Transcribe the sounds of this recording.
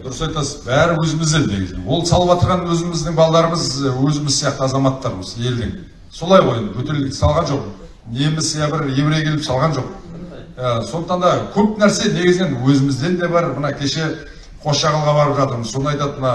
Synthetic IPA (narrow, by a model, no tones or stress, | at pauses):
d̪ʊɾəsɑjt̪ɑsəzbæɾɪwɵzɪmɪzd̪e̞ne̞̰ɡʲɪ̰znenwo̞lˠsɑlˠəpɑt̪əɾʁɑnwɵzɪmɪzd̪ɪŋbɑlˠɑlɑɾəməzwɵzɪmɪzsijɑqt̪əɑzɑmɑt̪ːɑɾəməze̞ld̪ɪŋ | so̞lˠɑjʁojenbɵt̪e̞ɾlɪk̚t̪ɪ̥sɑlˠʁɑnʒo̞q | nemɪsjɑbɪɾje̞bɪɾekʲʰe̞lɪpsɑlˠʁɑnʒoq̚jaso̞nd̪əqt̪ɑnd̪ɑkʲʰɵp̚næɾse̞ne̞ɡʲɪzɪnenwɵzɪmɪzd̪e̞nd̪e̞bɑɾmənɑkʲʰe̞ʃe̞ | qʰo̞ʃʃɑʁɑlˠʁɑbɑɾəpʒɑt̪əɾməzso̞nəɑjt̪ɑt̪mənɑ